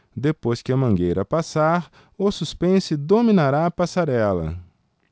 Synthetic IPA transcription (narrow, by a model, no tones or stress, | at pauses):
d̪epojskɪɐmɐ̃ɡejɾɐpasaɾ | osuspẽsɪd̪omĩnaɾaɐpasaɾɛlɐ̰